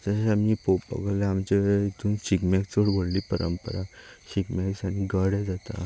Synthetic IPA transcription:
d͡zəɕamipoppːə̰ɡalɛamt͡ɕeit̪ũnɕikmɛkt͡soɽʋoɽliːpəɾə̰mpəɾaɕikmɛksaniɡəɽɛd͡zat̪a̰

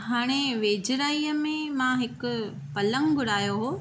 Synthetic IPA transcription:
ɦaːɽ̃eʋeːd͡ʑɪɾaːijəmẽmãɦɪkʊ̆ | pɐlə̃ŋɡɡʊɽaːjoɦoː

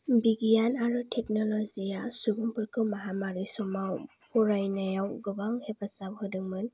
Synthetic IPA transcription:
biɡijanaɾɯtʰek̚nɔlɔzijasubumpʰɯɾkʰɯwmaɦamaɾisɔmaw | pʰuɾajnajawɡɯbaŋhebasabhɯdɯŋmɯn

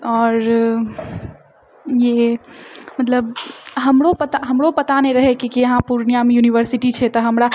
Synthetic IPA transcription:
ɔɾ | je | mət̪ləbɦəmɾopət̪aɦəmɾopət̪aneɾəɦɛkikiəɦãpuɾnijamejuniʋəɾsiʈit͡ʃʰɛt̪ɔɦəmɾa

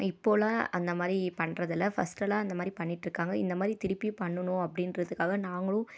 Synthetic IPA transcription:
ɪpːoːlãːɐnd̪ɐmaːd̪ɾipɐɳɾɐðɪlːɐfɐ̰sʈɐlãːɐnd̪ɐmaːd̪ɾipɐɳːɪʈːɾɯkːaːŋɡɐɪ̰nd̪ɐmaːd̪ɾit̪ɪɾɪpːipɐɳːɯnʊ̃ɐpːɐɽɪnɾɐðɯkːaːɣɐnaːŋɡɐɭʊ̃

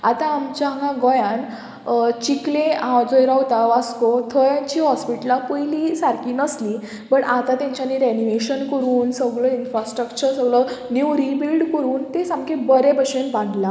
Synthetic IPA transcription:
at̪ãːmt͡ɕãŋɡãɡɔjãn | t͡ɕiklẽãwd͡zɔjɾawt̪aʋaskot̪ʰəjãɲt͡ɕiɦɔspiʈlapəjlisaɾkiːnəsli | bəʈat̪ãt̪jãɲt͡ɕanːiɾɛniʋeɕənkəɾuːnsəɡɭəinfɾasʈɾəkt͡ɕəɾsəɡɭənuwɾibilɖkəɾuːnt̪esamkebəɾebəɕẽnbãɳla

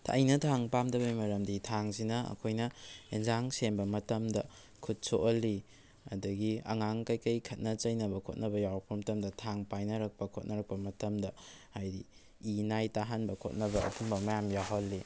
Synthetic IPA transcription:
tʰa̰jnɐtʰaŋpamdɐβɐjmɐɾɐmditʰaŋsinɐɐ̰kʰojnɐenzaŋsenbɐmɐtɐmdɐ | kʰut̚soʔɐlːi | ɐ̰dɐɡiɐ̰ŋaŋkɐjkɐjkʰɐt̚nɐt͡ʃɐjnɐbɐkʰot̚nɐbɐjawpʰɐmɐtɐmdɐtʰaŋpajnɐɾɐk̚pɐkʰot̚nɐɾɐk̚pɐmɐtɐmdɐhajdi | inajtaɦanbɐkʰo̰t̚nɐbɐɐ̰tʰumbɐmɐjamjaɦolːi

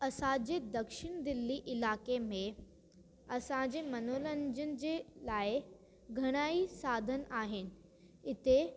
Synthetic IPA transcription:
ɐsãd͡ʑeːd̪ɐkʃɪɽ̃d̪ɪlːiʔɪlaːkemẽ | ɐsãɲd͡ʑeːmɐnoːlə̃ɲd͡ʑənɪ̆d͡ʑeːlaːɪ | ɡʱɐɽ̃aːisaːd̪ʱənʔaːɦɪnɪ̆ | ɪt̪e

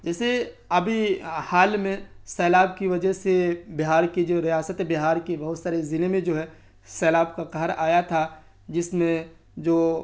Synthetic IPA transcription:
d͡ʒɛːse | ɐbʱihaːlmẽsɛːlaːbkiʋɐd͡ʒəsebɪɦaːɾked͡ʒoːɾijaːsət̪bɪɦaːɾkebɐɦʊt̪saːɾezɪnemẽd͡ʒoːɦɛː | sɛːlaːbkaqɐɦəɾaːjat̪ʰa | d͡ʒɪsmẽ | d͡ʒoː

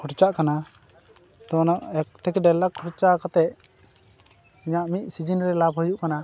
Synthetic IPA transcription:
kʰɔʈt͡ʃaʔkana | d̪ɔnaʔɛk̚t̪ɛkɖɛlakʰːɔɽt͡ʃakat̪ɛʔ | iɲaʔmic̚sid͡ʒinɾɛlab̚ɦəjuʔkana

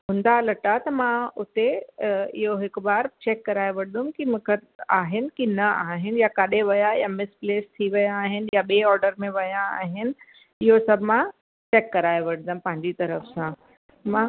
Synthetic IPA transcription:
ɦʊ̃ːnd̪alɐʈat̪ɐmãʊt̪eɪ̰ɦoɦɪkbaːɾt͡ɕeːkːɐɾaːeʋɐɽ̤ɪd̪ʊ̃mkimʊ̃kʰeaːɦɪnɪ̆kinɐaːɦɪnɪ̆jakaɗeʋɐjajamɪspleːst̪ʰiʋɐjaːɦɪnɪ̆jaɓeːɔːɾɖəɾmẽʋɐjãaːɦɪnɪ̆ | ɪɦosɐbʱmã | t͡ɕeːkːɐɾaːeʋɐɽ̤̃ɪ̃nʊmpɐ̃ɦɪ̃ɲd͡ʑit̪ɐɾəfsã | mã

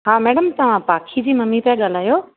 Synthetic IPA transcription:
ɦaːmɛːɽəmt̪ɐʋ̤ãpaːkʰid͡ʑiːmɐmipãɠaːl̤aːjoː

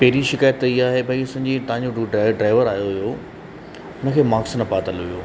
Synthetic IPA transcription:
pɐɦɪɾiʃɪkaːjət̪iaːɦebʱɐiʊsɐ̃ɲ̆d͡ʑit̪ɐɦãɲ̆d͡ʑoɖaɪɖɾaːɪʋəɾaːjoɦʊjo | ʊnə̆kʰeːmaːksnɐpaːt̪əlɦijoː

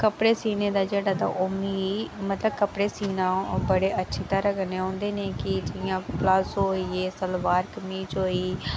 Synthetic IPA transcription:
kəpɽeːsiːneːd̪aːd͡ʒeːɽaːd̪a̰ːʔʊmiːmət̪ləbkəpɽeːsiːnãːbəɽeːʔətːʃʰiːt̪əɾəkneːõːnd̪eːneːkɪd͡ʒɪɪjãːplasɦoːiːeːsəlʋaːɾkəmiːd͡ʒɦoːiː

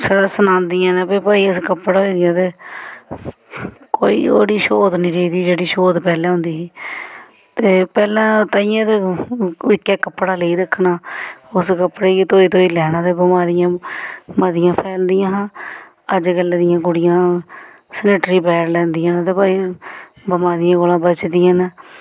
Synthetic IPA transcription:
səɾɛːsənãːnd̪iãːnẽːpeːpaːiːəskəpːɽaːɦoiːd̪ɪjãːt̪eː | koːḭːo̰ːɽiːʃoːd̪nĩːɾeːiːd̪iːd͡ʒeːɽiːʃoːd̪pɛːlɛ̃ːɦʊ̃nd̪iːsiː | t̪eːpɛːlãːt̪aːijãːt̪eː | ɪkːɛːkəpːɽaːleiːɾəkʰːnaːʊskəpːɽeːkit̪oːiːt̪õːiːlɛːnãːt̪eːbəmaːɾɪjãːməd̪ɪjãːpʰɛːld̪ɪjãːɦãː | əd͡ʒɡəlːeːd̪ɪjãːɡʊɽɪjãː | səneːʈɾiːbɛːɽlɛ̃ːnd̪ɪjãːnt̪eːpaːiː | bəmaːɾɪjãːɡoːlãːbət͡ʃd̪ɪjãːn

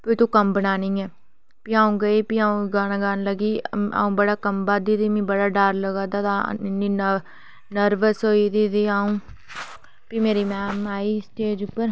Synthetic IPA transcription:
pɪːt̪õːkəmbənaːnĩːɛː | piːaːũːɡəiːpiaːũːɡaːnaːɡaːnləɡiːa̰ːũːbəɽaːkəmbaːd̪iːd̪iːmĩːbəɽaːɖaːɾləɡaːd̪aːt̪a̰ɪnːiːn | nəɾʋəsɦoːiːd̪iːd̪iːaːũː | piːmeːɾiːmɛːmaːiːsʈeːd͡ʒʊpəɾ

